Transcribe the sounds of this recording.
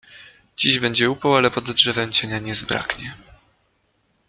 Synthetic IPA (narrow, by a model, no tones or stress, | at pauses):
d͡ʑiʑbɛɲd͡ʑɛupɔwalɛpɔd̪dʐɛvɛmt͡ɕɛɲaɲɛzbɾa̰kɲɛ